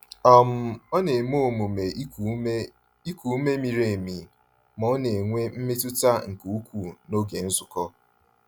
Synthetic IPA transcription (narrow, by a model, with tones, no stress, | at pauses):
a˨m̩˦ɔ˦ne˨m˦o˦o˨mu˨me˨˦ | i˦ku˨˦me˦mi˨ɾe˨mi˨ | mɔ˨ɔ˦ne˨ŋʷe˦m̩˦me˦tʊ˦ta˦ŋ̩˨ku˦kʷu˨no˦ɡe˨n̩˦zʊ˨kɔ˦